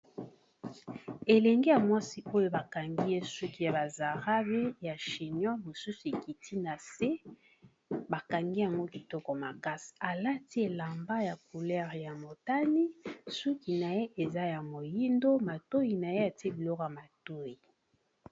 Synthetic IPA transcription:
e˨lɛ˨ŋɡe˦ja˨mwa˦si˦o˦jo˦ba˨ka˨ŋɡi˦je˦su˦ki˦ja˨ba˨za˨ʁa˦be˦ja˨ʃi˨njɔ˦mo˨su˦su˨e˨ki˨tʰi˦na˨se˦ | ba˨ka˨ŋɡi˦ja˨ŋɡo˦ki˨tɔ˦kɔ˨ma˨ka˦si̥˨a˨la˦ti˦e˨la˨mba˦ja˨ku˨lɛ˦ʁja˨mo˨ta˦ni˦su˦ki˨na˨je˦ʔe˨za˦ja˨mo˨ji˦ndo˦ma˨to˦ji˨na˨je˦a˨ti˦e˦bi˨lɔ˦kɔ˨ja˨ma˨to˦ji˨

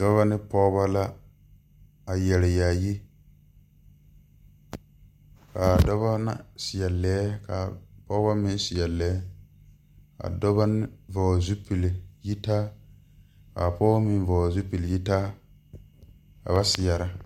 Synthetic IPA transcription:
dɔ˦βa˦nɪ˦pɔː˦ba˦la˦ | a˨jɛ˨lɪ˨ja˨ji˦ | ka˨dɔ˦βa˦na̰˨sɪ˨ja˨lɛː˨˦ka̰˨pɔ˦ba˦mɪ̃˦n˦sɪ˨ja˨lɛ˨˦ | ka̰˨dɔ˦ba˦nɪ˦vɔː˨zu˦pi˨le˨ji˦ta˦ | ka̰˨pɔː˦mi˨nvɔː˨zu˦pi˨lji˦ta˦ | ka̰˨ba˦sɪ˨ja˨ɾa˦

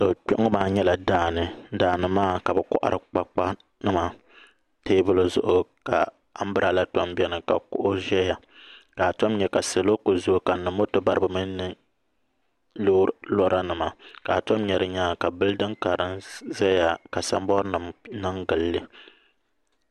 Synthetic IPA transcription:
so˨k͡po˦ʔŋ˦maː˦ɲɛ˦la˨daː˦˨nɨ˨daː˨nɨ˨maː˦˨ka˨bɛ˨kɔ̰˦ʔa̰˦ɾɨ˨k͡pa˦k͡pa˦ | nɨ˦ma˨ | teː˦bʊ˦lɨ˨zʊ˦ʔʊ˦ka˨ | a˦m̩˦bɨ˦ɾa˨la˦tɔ˦mbɛ˦nɨ˨ka̰˨kʊ̰˦ʔʊ˦ʒɛ˦ja˨ | ka˨to˦mɲɛ˨ka˨sɨ˨lo˦ko˨zʊ˦ka˨nɨ˨mo˦tɨ˦ba˦ɾɨ˦bɨ˨mɨː˦ɨ˦ | loː˦ɾlɔ˦ɾa˦nɨ˨ma˨ka˨to˦mɲɛ˨ɾɨ˨ɲaː˦ka˨bɨ˦ldɨ˦ŋka˨ɾɨ˦nʒɛ˦ja˨ka˨sa̰˦m˦bɔ˦ɾnɨ˨mnɨ˦ŋɡɨ˨lːɨ˦

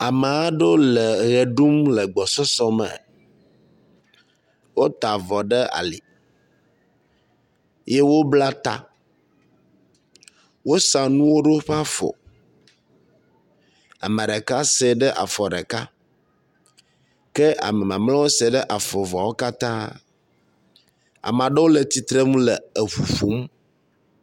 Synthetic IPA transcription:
a˨mɛ˨a˦ɖo˦lɛ˨ɣɛ˨ɖu˦mlɛ˨ɡ͡bɔ˨sɔ˦sɔ˦mɛ̰˨ | wo˦t̪a˨vɔ˨ɖɛ˦a̰˨li˨ | je˦wo˦bla˦t̪a̰˦ | wo˦sã˨nũ˦wo˦ɖo˦ɸa˦fɔ̰˨ | a̰˨ma˨ɖɛ˨ka˦se˨ɖə˦ʔa̰˨fɔ˨ɖɛ˨ka˦ | kɛ˦ʔa̰˨mɛ˨mã˨mlã˦wo˦sɛ˨ɖɛ˦ʔa˨fɔ˨vɔ˨wo˦ka˦t̪ã˦ | a̰˨m˨ã˨ɖə˦wo˦le˨t̪i˨t̪ɾe˦ŋũ˦lɛ˨e˨ɸu˨ɸu˨˦m˦

